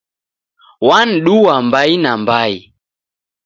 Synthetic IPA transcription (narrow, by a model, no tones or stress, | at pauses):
wan̩ɗuwambainambai